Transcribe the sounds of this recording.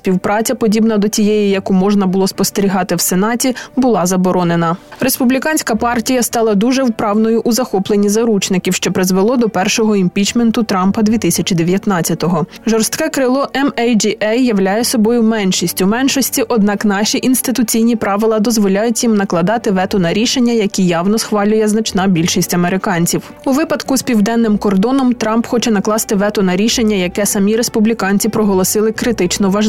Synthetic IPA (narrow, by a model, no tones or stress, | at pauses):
sʲpʲiwpɾɑt͡sʲɐpɔdʲibnɐd̪ɔt͡sʲijɛjijɐkumɔʒnɐbʊlˠɔspɔst̪eɾʲiɦɑt̪ɪwsenɑtʲibʊlˠɑzɐbɔɾɔnenɐɾe̞spʊblʲikɑnʲsʲkɐpɑrtʲijɐst̪ɑlˠɐd̪uʒɛwpɾɑwnɔjʊʔʊzɐxɔplˠenʲizɐɾut͡ʃnɪkʲiwʃt͡ʃɛpɾɪzʋelˠɔd̪ɔpɛrʃɔɦɔimʲpʲit͡ʃment̪ʊt̪ɾɑmpɐd̪ʲʋʲit̪ɪsʲɐt͡ʃʲid̪eʋʲjɐt̪nɑt͡sʲːɐt̪ɔɦɔʒɔrst̪kɛkɾɪlˠɔʔɛmɛjd͡ʒiʔɛjːɐwlʲajɛsɔbɔjʊmɛnʃisʲtʲʊmɛnʃɔsʲtʲiʔɔd̪nɑknɑʃʲiʔinst̪ɪt̪ʊt͡sʲijnʲipɾɑʋɪlˠɐd̪ɔzʋɔlʲajʊtʲjimnɐklˠɐd̪ɑt̪ɪʋɛt̪ʊnɐɾʲiʃenʲːɐjɐkʲijɑwnɔsxʋɑlʲʊjɛznɐt͡ʃnɑbʲilʲʃisʲtʲɐmeɾɪkɑnʲt͡sʲiw | uʋɪpɐd̪kʊsʲpʲiwd̪ɛnːɪmkɔrd̪ɔnɔmt̪ɾɑmpxɔt͡ʃɛnɐklˠɑst̪ɪʋɛt̪ʊnɐɾʲiʃenʲːɐjɐkɛsɐmʲiɾespʊblʲikɑnʲt͡sʲipɾɔɦɔlˠɔsɪlˠɪkɾɪt̪ɪt͡ʃnɔʋɐʒ